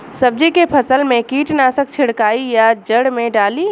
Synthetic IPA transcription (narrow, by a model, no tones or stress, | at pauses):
sɐb̚d͡ʒikepʰɐsəlmẽkiːʈnaːsək̚t͡ʃʰɪɽkaːijad͡ʒəɽmẽɖaːli